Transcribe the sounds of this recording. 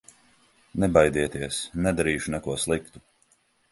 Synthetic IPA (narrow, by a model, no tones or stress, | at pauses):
nɛbajd̪iɛt̪iɛsnɛd̪aɾiːʃunɛkuɔslˠikt̪u